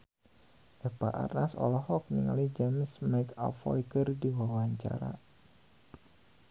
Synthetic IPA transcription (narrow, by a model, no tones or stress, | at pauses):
ʔɛpaʔa̰rnasɔ̰lɔhɔk̚niŋa̰lid͡ʒemsmɛka̰fɔ̰jkərdiwawaɲt͡ʃa̰ɾa̰